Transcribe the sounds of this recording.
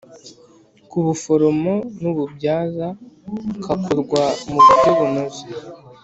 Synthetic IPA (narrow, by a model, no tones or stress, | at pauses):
kuβufoɾomonuβubjaːza | kakʰoɾɡwamuɡazeβunozi